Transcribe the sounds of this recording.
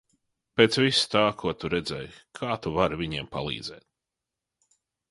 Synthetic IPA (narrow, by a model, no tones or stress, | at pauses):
peːt̪svist̪aːkʰuɔt̪uɾɛd̪zɛjkʰaːt̪uvaɾvʲiɲiɛmpalˠḭːd̪zɛ̰ːt̪̚